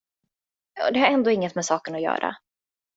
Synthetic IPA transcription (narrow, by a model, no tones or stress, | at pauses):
jɑ̰ːd̪ɛhaɾɛnd̪oːɪŋːət̪mɛsɑːkənɔjœ̰ːɾʔa̰